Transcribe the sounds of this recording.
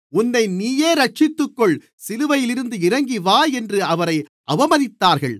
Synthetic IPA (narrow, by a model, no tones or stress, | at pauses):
ʊnːɐɪniːjeːɾɐʈ̚t͡ʃɪt̪ːɯkːɔɭ | sɪlɯʋɐjɪlɪɾɯnd̪ɯɪɾɐŋɡɪʋaːɛndrɯɐʋɐɾɐɪʔɐʋɐmɐnɪt̪ːaːɾɣɐɭ